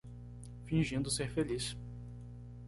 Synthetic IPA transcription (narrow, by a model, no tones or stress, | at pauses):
fĩʒĩnd̪ʊseɾfelis